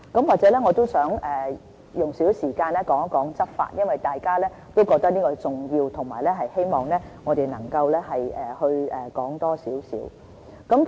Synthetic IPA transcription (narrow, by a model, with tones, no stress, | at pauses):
kɐ˨˥mwaː˨k̚t͡sɛː˨˥lɛ˥ŋɔ˨˧t̪o˥wsœː˨˥ŋɛː˨˩ | jʊ˨ŋsiː˨˥wsiː˨˩kaː˧nlɛː˥kɔː˨˥ŋ˥kɔː˨˥ŋt͡sɐ˥t̚fa̰ː˧t̚jɐ˥nwɐ˨jt̪aː˨jkaː˥lɛː˥ | t̪o˥wkɔː˧k̚t̪ɐ˥kniː˥kɔː˧t͡sʊ˨˩ŋjiː˧wt̪ʰʊ˨˩ŋmaː˨˩lɛ˥ɦɐ˨jhe˥jmɔː˨˩ŋlɛː˥ŋɔː˨˧t̪e˨jnɐ̰˨˩ŋkɐ˧wlɛː˥hɐ˨jɛː˨˩hɵ˧ɥɛː˨kɔː˨˥ŋt̪ɔː˥siː˨˥wsiː˨˥w | kɐ˨˥m